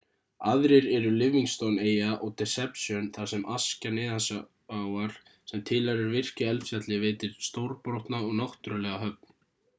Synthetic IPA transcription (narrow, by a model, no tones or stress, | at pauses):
aðɾɪɾɛɾʏlɪviŋst̪owneːjaʔɔɣt̪ʰɛsɛpsjœnθasɛmʔascanɪːðasa | aːwaɾ̥ | sɛmt̪ʰɪlaɾɛɾvɪr̥cʏɛlsjat̪lɪveːt̪ɪɾ̥st̪owɾpɾowht̪naɔɣnawht̪ʏɾʏlɛːɣaɦœp̚n̥